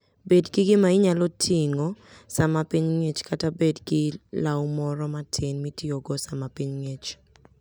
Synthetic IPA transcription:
bedɡɪɡɪmaɪɲalɔtʰiŋosamapiɲŋet͡ʃkatabedɡɪlawmɔɾɔmatʰɪnmitioɡɔsamapiɲŋet͡ʃ

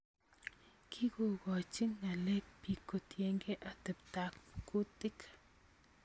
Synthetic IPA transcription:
kʰiɡuɡat͡ʃiŋnalek̚pikut̪jeŋɡeʔat̪ept̪akpu̥kut̪ik

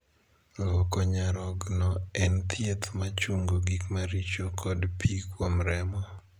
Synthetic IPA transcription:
lɔkɔɲaɾɔɡnɔɛnt̪ʰjet̪mat͡ʃuŋɡoɡikmaɾit͡ʃokʰɔdpʰikwomɾɛmɔ

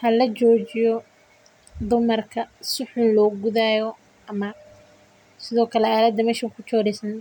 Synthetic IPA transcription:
hɐlɐt͡ʃɔːt͡ʃɪjɔ | d̪ʊmɐrkʰɐsʊħʊnlɔːɡʊðaːjɔ | ɐmɐ | sɪðɔːkʰɐlɛaːlɐd̪ɐmɛːʃɐkʰʊt͡ʃɔːɾɛsɐn

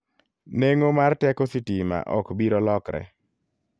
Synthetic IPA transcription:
neŋomartɛkositima̰ʔɔkbiɾɔlɔkɾɛ̰

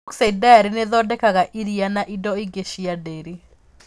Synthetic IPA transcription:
ksajdaɾineðɔdɛkaɣaʔiɾianaʔidɔiɡeʃiadeɾi

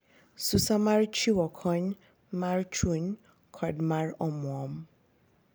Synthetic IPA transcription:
susamaɹt͡ʃʰiwɔkʰɔ̃n | maɹt͡ʃʰun | kʰɔdmaɹɔmũɔm

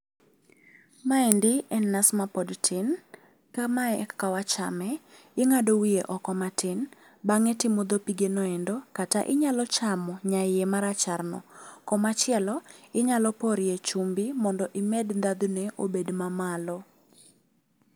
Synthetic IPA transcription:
maindɪɛnːasmapɔdtʰɪn | kamaɛkːawat͡ʃa̰mɛ | ɪŋadowieʔɔkɔmatɪn | baŋɛtɪmɔd̪opiɡenɔɛndɔkata̰ʔɪɲalɔt͡ʃamɔɲaɪjemaɾat͡ʃarnɔ̰kɔmat͡ʃɪɛlɔɪɲalɔpɔɾjet͡ʃumbimɔndɔʔɪmɛdd̪ad̪nɛʔobedmamalɔ

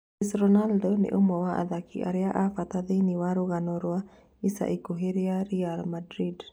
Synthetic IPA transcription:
isrɔnaldonḭʔumɔwaʔa̰d̪akʰḭʔa̰ɾiaʔafat̪ad̪iniwaɾuɣanoɾua | isa̰ʔikuɦiɾiaɾialmadɾid

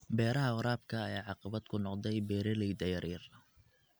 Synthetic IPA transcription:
bɛːɾɐɦɐɔɾaːb̚kʰɐːjaːʕɑqɑβɐd̪kʰʊnɔqd̪ɛjbɛːɾɛlɛjd̪ɐjɐɾirɐ

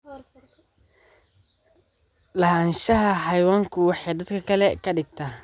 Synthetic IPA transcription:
lɐhaːnʃɐɦɐɦɐjwaːŋkʰʊwɑħɑjd̪ɐd̪kʰɐkʰɐlɛkʰɐɖɪɡ̚t̪ʰaː

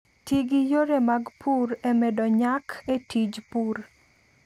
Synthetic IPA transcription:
tiɡijoɾemaɡpʰuɾemɛdɔɲakʰetid͡ʒpuɾ

